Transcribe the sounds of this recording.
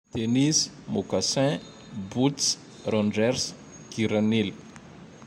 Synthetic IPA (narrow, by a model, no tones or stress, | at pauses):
t̪enis | mukasɛ̃ | but͡s | rɔ̃nɖ͡ʐɛɾs | kiɾanili̥